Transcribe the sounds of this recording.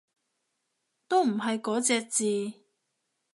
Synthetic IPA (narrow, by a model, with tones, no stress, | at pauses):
t̪o˥wm̩˨˩ɦɐ˨jkɔː˨˥t͡sɛː˧k̚t͡siː˨